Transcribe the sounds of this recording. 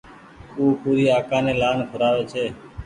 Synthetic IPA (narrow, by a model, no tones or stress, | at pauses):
uːpuːɾiːaːkãːneːlaːnkʰʊɾaːʋeːt͡ʃʰeː